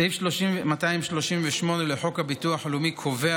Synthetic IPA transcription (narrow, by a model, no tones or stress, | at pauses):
efoʃimataimʃlo̞ʃimveʃmo̞ne̞leħo̞khabituaħalumikʰo̞vea